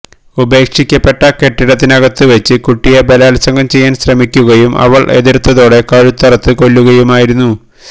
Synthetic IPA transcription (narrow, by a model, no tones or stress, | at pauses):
ube̞ːkʂikʲːɐpːe̞ʈːɐke̞ʈːiɽɐt̪̬ːinɐɣɐt̪ːɨʋet͡ɕːɨkuʈːijɐbelaːlɐsɐŋɡɐmt͡ɕe̞jːaːnɕrɐmikʲːuɣɐjumɐ̰ʋɐɭʔeðiɾt̪ːɐðo̞ːɽe̞kɐɻut̪ːɐrɐt̪ːɨko̞lːuɣɐjumaːjiɾunːu